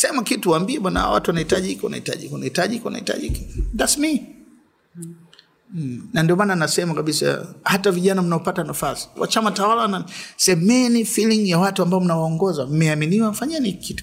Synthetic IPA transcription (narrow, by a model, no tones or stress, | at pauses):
sɛmakituwambiɛɓwanaha̰wa̰tuwanahitaʄiikɔwana̰hita̰ʄikwanahitaʄiikɔwana̰hita̰ʄiikid͡ʒasmi | nandiɔmananasɛmakaɓisa̰hataviʄanam̩naɔpatanafasi̥wa̰t͡ʃamatawalawanasɛmɛnifiliŋjawatuambaɔm̩nawaɔŋɡɔzam̩mɛaminiwafaɲɛnikikitu̥